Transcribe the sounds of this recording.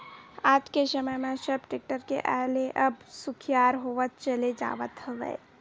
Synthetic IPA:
aːd͡ʒkesəməjmẽsəbʈɪk̚ʈəɾkḛʔaːleʔəbsʊkʰijaːɾɦoːʋət̪̚t͡ʃəled͡ʒa̰ːʋət̪ɦəʋə̰e

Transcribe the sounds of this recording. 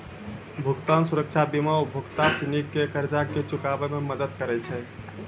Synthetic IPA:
bʱuɡt̪ansuɾəkt͡ʃʰabimaobʱuɡt̪asinikːekəɾd͡ʒaket͡ʃukabememəd̪əd̪kəɾɛt͡ʃʰɛ

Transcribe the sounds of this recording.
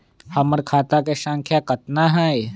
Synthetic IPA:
hɐməɾkʰaːt̪akeʃə̃ŋkʰjakɐt̪naɦɛj

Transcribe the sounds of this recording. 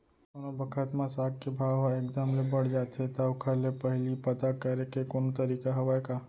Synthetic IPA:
ɐnobəkʰət̪mãsaːɡ̚kebʱaːʋɦaek̚d̪əmlebəɽd͡ʒaːt̪et̪aʊkʰalepəɦlipɐt̪akəɾekekoːnt̪əɾiːkaɦɐʋaekaː

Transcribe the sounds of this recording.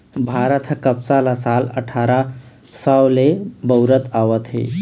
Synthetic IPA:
bʱaɾət̪ʰkəpsalasalə̰ʈʰaɾa | səwlebəʊɾət̪ʰaʋət̪ɦḛ

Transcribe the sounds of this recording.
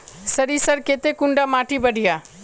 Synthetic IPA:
səɾisəɾket̪ekuɳɖamaʈʰibəɽʱija

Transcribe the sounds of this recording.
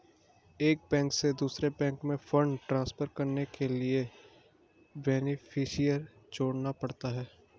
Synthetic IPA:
eːk̚bɛ̃ːŋksed̪uːsɾebɛ̃ːŋkmẽfə̃ɳɖʈɾãːspəɾkɐɾnekelie | bɛːnɪfʰɪʃijəɾ | d͡ʒoːɽnapɐɽt̪aɦɛː

